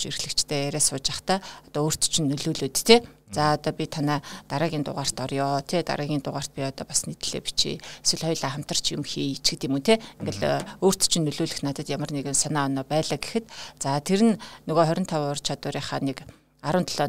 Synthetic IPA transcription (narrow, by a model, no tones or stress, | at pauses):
t͡ɕirxɮɘ̆kt͡ɕt̪ʰeːeɾeːsʊːt͡ɕaχt̪aːɔt̪ɔoːr̥t̪ʰt͡ɕɪ̆nːɵɮuːɮoːt̪t̪ʰeːt͡saɔt̪ɔːpʲit̪ʰanaːt̪aɾaːɣʲiːnt̪ʊ̰ʁaːr̥t̪ɔrjʊːt̪ʰeːt̪a̰ɾəːɣʲiːnt̪ʊʁaːr̥t̪̚pʲiɔt̪ɔːpasnet̪̆ɮ̥ḛːpi̥t͡ɕʰḛeswɘ̆ɮχɔjɮaːχam̥t̪ə̆r̥t͡ɕʰjɪmxiːt͡ɕɡɘ̆t̪ɪmunt̪ʰeːŋɡɘ̆ɮoːr̥t̪ʰt͡ɕɪ̆nːɵɮuːɮɘ̆xnat̪ə̆t̪jamə̆rneɣɘ̆nsanaːɔnɔːpæːɮaːɡexɘ̆t̪t͡sat̪ʰeɾɘ̆nnɵɣoːχœɾʲɪ̆nt̪ʰawʊr̥t͡ɕʰat̪ʊːɾʲiːχaːnek | aɾʊːnt̪ʰɔɮ̥ɔː